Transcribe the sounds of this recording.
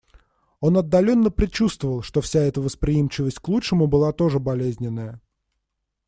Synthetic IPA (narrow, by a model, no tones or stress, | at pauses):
o̞nɐd̪ːɐlʲo̞nːəpɾʲɪt͡ɕust̪vəvəlˠʂt̪ofsʲaɛt̪əvəspɾʲɪimt͡ɕɪvəsʲtʲklˠutʂɨmʊbɨlˠat̪o̞ʐɨbɐlʲezʲnʲɪnːəjə